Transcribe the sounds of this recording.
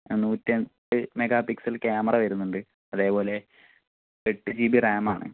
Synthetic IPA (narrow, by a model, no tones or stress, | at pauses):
nːuːtːent̪ɨmeɡaːpiksɐlkjaːmɐrɐʋɐɾunːuɳɖɨ | ɐðe̞ːpo̞ːle̞ | peʈːɨd͡ʑiːbiraːmaːɳɨ̰